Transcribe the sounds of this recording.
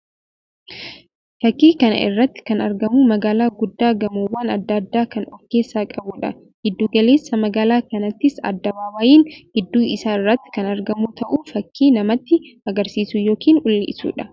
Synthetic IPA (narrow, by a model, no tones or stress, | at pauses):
fɐkːiːkɐnɐ̰ʔɪ̰rːɐt̪ːɪ̥kɐnɐɾɡɐmumɐɡaːlaːɡʊd̪ːaːɡɐmuːwːaːnɐd̪ːɐd̪ːaːkɐnɔkːe̞ːsːaːkʼɐbuːᶑɐ | ɡ̥ɪd̪ːuːɡɐle̞ːsːɐmɐɡaːlaːkɐnɐt̪ːɪsɐ̰d̪ːɐbaːwɐjiːnɡ̥ɪd̪ːuːɪsaːɪrːɐt̪ːɪ̥kɐnɐɾɡɐmuːt̪ɐʔufɐkʰːiːnɐmɐt̪ːɪɐɡɐɾsiːsʊjo̞ːkiːnʔʊlːɪ̰ʔɪsṵːᶑɐ